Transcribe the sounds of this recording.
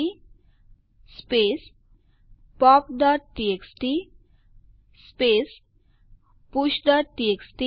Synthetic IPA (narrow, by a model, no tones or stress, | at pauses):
i | speːs | pɔːp̚ɖɔːʈ̚ʈieksʈi | speːs | puʃɖ̪əʈieksʈi